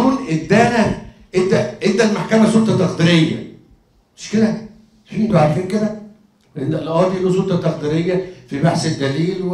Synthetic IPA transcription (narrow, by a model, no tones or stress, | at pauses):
uːlʔed̪ænæ | ʔed̪æʔend̪ælmaħkæmæsolt̪ˤɑt̪ɑqd̪iːɾejːæ̰ | meʃkelæ | fiːnt̪oʕɑɾˤfiːnked̪æ | enælʔɑːd̪iʔlus̬olt̪ˤɑt̪ɑqd̪iɾejːæfibaħsed̪ːæliːlw